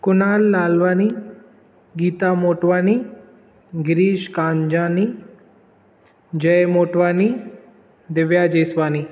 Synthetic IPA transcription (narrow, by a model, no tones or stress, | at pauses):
kunaːlːaːlʋaːni | ɡiːt̪amoːʈʋani | ɡɾiːʃkaːɲd͡ʑaːni | d͡ʑəjmoːʈʋaːni | d̪eʋjad͡ʒesʋaːni